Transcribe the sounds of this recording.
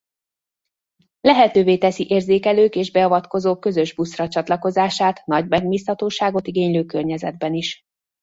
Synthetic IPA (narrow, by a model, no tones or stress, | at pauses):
lɛɦɛt̪øːveːt̪ɛsiʔeːrzeːkɛløːkeːʒbɛɒvɒt̪ko̞zoːkːø̞zø̞ʒbusrɒt͡ʃɒt̪lɒko̞zaːʃaːt̪nɒɟmɛɡmiːshɒt̪oːʃaːɡo̞t̪iɡeːɲløːkørɲɛzɛd̪̚bɛniʃ